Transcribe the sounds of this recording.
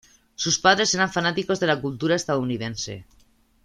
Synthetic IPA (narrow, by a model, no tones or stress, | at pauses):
suspað̞ɾe̞seɾaɱfanat̪iko̞zðe̞lakult̪uɾaest̪að̞ouniðensḛ